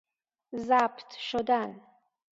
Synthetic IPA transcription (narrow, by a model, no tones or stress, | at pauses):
zabt̪ʰʃod̪an